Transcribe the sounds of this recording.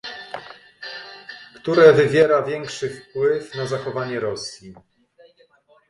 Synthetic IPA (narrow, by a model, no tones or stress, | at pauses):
kt̪uɾɛvɘvʲjɛɾavʲjɛŋkʂɘfpwɘfnazaxɔvaɲɛɾɔsʲji